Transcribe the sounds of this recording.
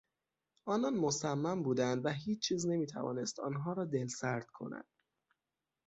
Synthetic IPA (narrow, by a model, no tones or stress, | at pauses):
ʔɒːnɒnmo̞sæmːæmbuːd̪ænd̪væɦiːt͡ʃːt͡ʃʰiːzne̞miːt̪ʰæ̰vɒ̰ːne̞st̪ɒ̰ːnɦɒːɾɒːd̪e̞lsæɾd̪̥kʰo̞̰næ̰nd̪̥